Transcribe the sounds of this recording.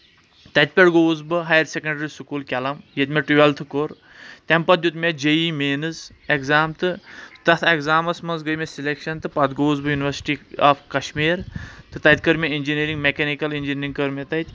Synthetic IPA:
t̪ɐt̪̚ʲpʲeɽɡoːzbɨɦajɐɾsʲekɐɳɖɾisukuːlkʲɐlɐmjet̪ʲmʲeʈiʋɐlt̪ʰɨkoɾ | t̪ʲɐmpɐt̪̚ʲjut̪mʲed͡ʒejimeːnɨz | ekzaːmt̪ɨt̪ɐt̪ʰekzaːmɐsmɐnzɡəjmesilekʃɐnt̪ɨpɐd̪ɡoːzbɨjuniʋɐɾsi̥ʈiaːfʰkɐʃmiːɾt̪ɨt̪ɐt̪̚ʲkəɾmʲeind͡ʒiniɾiŋɡmekenikɐlind͡ʒiniɾiŋɡkəɾmʲet̪ɐt̪ʲ

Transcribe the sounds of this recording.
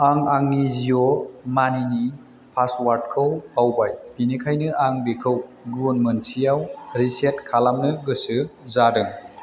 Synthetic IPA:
aŋaŋnizijɔmanini | pʰaswaɾt̚kʰɯwawbajbinekʰajnɯʔaŋbekʰɯwɡunmɯnsijawɾiset̚kʰalamnɯɡɯsɯzadɯŋ

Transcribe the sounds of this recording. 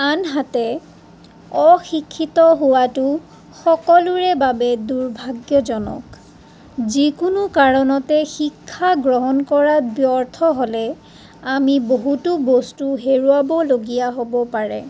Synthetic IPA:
anɦatɛ | ɔxikʰːitɔɦʊwatʊ | xɔkɔlʊɹɛbabɛduɹbʱaɡjɔzɔnɔ̰k | zikʊnʊkaɹɔnɔtɛxikʰːaɡɹɔɦɔnkɔɹabjɔɹt̪ʰɔɦolɛ | amiboɦutubɔstuɦeɹuabɔloɡijaɦobɔpaɹɛ̰

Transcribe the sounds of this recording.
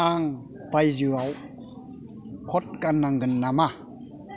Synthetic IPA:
aŋ | b̥ajzuaw | kʰɔt̚kanaŋɡɯnːama

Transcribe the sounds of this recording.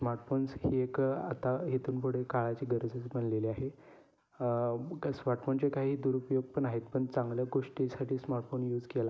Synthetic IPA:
smaɾʈfonshieka̰t̪aɦet̪uːnpoɽ̤ekaɭat͡ɕiːɡəɾəd͡zət͡sbəɳleliːaɦe | smaɾʈfont͡ɕekaɦiːd̪uɾupjoɡ̚pəɳaɦet̪̚pəɳt͡sãŋɡljaɡoʂʈisaʈʰiːsmaɾʈfonjuːd͡zkela

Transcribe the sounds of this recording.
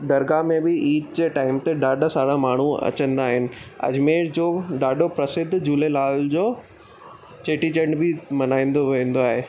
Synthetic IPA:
d̪ɐɾɡamẽbɪiːt͡ɕʈaːɪmt̪eɖaːɖsaːɽamaːɳ̤uɐ̰t͡ɕə̃nd̪aːɦɪnɪ̆ɐ̰d͡ʑmẽːd͡ʑoːɖaːɖopɾɐsɪd̪ʱd͡ʑuːlelaːld͡ʑoː | t͡ɕeːʈit͡ɕə̃ɳɖbʱɪmɐnaːĩːn̆d̪oʋẽːn̆d̪oaːɦeː

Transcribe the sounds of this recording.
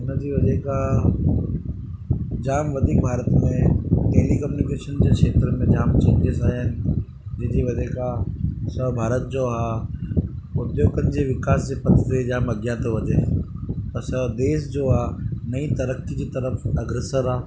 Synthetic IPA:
ʊnəd͡ʑiʋɐd͡ʑeka | d͡ʑaːmʋɐd̪ʱikbʱaːɾət̪mẽʈeːlikɐmjunɪkeːʃənd͡ʑeːkʃeːt̪ɾəmẽd͡ʑaːmt͡ɕɐ̃ɲd͡ʑesaːɦɪnɪ̆ | d͡ʑɪd͡ʑiʋɐd̪ekasɐbʱaːɾət̪̚d͡ʑoːɦaː | ʊd̪joːɡənɪ̆d͡ʑeːʋɪkaːsd͡ʑepɐt̪ʰt̪ed͡ʑaːmɐɡjaːt̪oʋɐd͡ʑeːpɐsɐd̪eːsd͡ʑoːaːnɐĩt̪ɐɾəkid͡ʑiːt̪ɐɾəfɐɡɾesəɾaː

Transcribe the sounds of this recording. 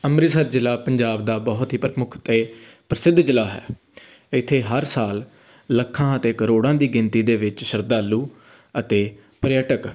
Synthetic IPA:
əmɾɪsəɾd͡ʒɪlaːpəɲd͡ʒaːbd̪aːbɔɦʊt̪ɦiːpɾəmʊkʰt̪eːpɾəsɪd̪ʱd͡ʒɪlaːɦɛ̰ː | ɪt̪ʰːeːɦəɾsaːlː | əkʰːãːət̪eːkəɾoːɽãːd̪iːɡɪnt̪iːd̪eːʋɪt͡ʃʃəɾd̪aːlːuː | ət̪eː | pəɾɪjəʈək

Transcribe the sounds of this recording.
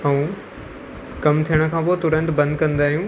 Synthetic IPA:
ɐũː | kɐmt̪ʰijəɽ̃̆kʰãːpoːt̪ʊɾə̃nd̪bɐ̃nd̪̚kɐ̃nd̪aːɦijũː

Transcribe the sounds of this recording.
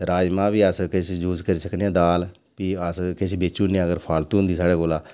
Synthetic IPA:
eːɾaːd͡ʒmãːbiːəskɪsd͡ʒuːzkəɾiːsəkneãːd̪aːl | piːəskɪsʰiːbeːt͡ʃuːniəɡəɾpʰaːlt̪ũːɦʊnd̪iːsaːɽeːkoːlaː

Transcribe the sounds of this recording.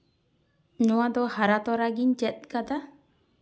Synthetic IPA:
ɲɔwad̪ɔhaɾat̪ɔɾaɡiɲt͡ʃɛt̪̚ˀkad̪a

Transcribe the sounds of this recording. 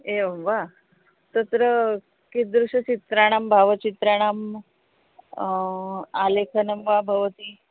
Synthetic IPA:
eʋa | t̪ət̪ɾə | kid̪ɾuɕət͡ɕit̪ɾaɽ̃aːmbʱaʋət͡ɕit̪ɾaɽ̃aːm | alekʰənəmʋabʱɐʋət̪iː

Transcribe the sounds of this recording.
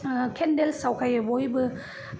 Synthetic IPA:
kʰɛndelsawkʰajboibɯ

